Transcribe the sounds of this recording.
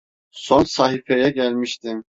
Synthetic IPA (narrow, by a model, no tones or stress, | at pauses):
sonsaɦifɛjɛɟælʲmiʃt̪ʰim